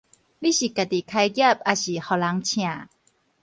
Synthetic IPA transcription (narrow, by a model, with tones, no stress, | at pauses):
li˦˥˨ɕi˨˩ka˧˩t̪i˨kʰa˧jɡɛ˥˩˨p̚ʔa˧ɕi˨˩hɔ˧˩la˧˦ŋt͡ɕʰĩ˧ã˨˩